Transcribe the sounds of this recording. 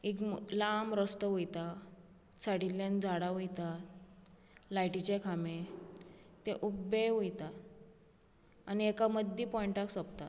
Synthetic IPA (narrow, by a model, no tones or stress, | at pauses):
iklamɾəst̪əujt̪a | saɽiljand͡zaɽaɦujt̪a | lajʈit͡ɕekʰame | t̪eʔubeɦujt̪a | aniekaməd̪ʱːipɔjiɳʈaksɔpt̪a